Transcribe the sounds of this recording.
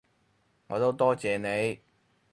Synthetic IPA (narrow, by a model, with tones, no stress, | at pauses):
ŋɔ̰ː˨˧t̪o˥wt̪ɔː˥t͡sɛː˨ne˨˧j